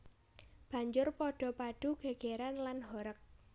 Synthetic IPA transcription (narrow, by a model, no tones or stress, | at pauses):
b̥ä̤ɲd͡ʒʊrpɔɖ̥ɔ̤paɖ̥ṳɡ̥a̤ɡ̥eɾanlanɦɔɾək̚